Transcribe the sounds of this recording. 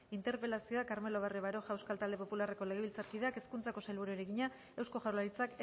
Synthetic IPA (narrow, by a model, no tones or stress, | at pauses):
int̪e̞ɾpe̞lasio̞akaɾme̞lo̞β̞arieβaɾo̞ʝaewskalt̪ald̪e̞po̞pulare̞ko̞le̞ɣ̞e̞βilt͡saɾkið̞eake̞skunt͡sako̞sajlβuɾuɾeɣiɲa | e̞wsko̞ʝawlaɾit͡sak